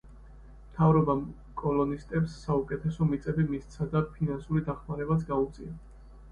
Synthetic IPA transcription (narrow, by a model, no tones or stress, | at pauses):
mt̪ʰavɾɔbam | kʼɔlɔnist̪ʼɛpsːaukʼɛt̪ʰɛsɔmit̪sʼɛbimist̪sʰad̪aɾpʰinansuɾid̪aχmaɾɛbat̪sʰɡaut̪sʼḭa